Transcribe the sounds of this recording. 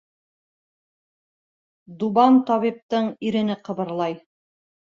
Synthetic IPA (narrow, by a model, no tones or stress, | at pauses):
d̪uβɑnt̪ɒβip̚t̪ɤɴiɾɘ̆nɘqɤ̆βɤ̆ɾlˠɑj